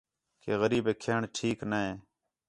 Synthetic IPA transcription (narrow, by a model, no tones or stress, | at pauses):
keːɣəɾiːbeːkʰeːɳʈʰiːknəɦeː